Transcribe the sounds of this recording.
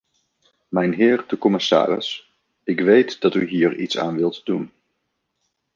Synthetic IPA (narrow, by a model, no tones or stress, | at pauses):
mɛjnɦɪːɹdəkɔmɪsa̰ːɾɪ̰s | ɪkʋejtdɑtyɦiːɹḭtsa̰ːnʋɪlˠtdun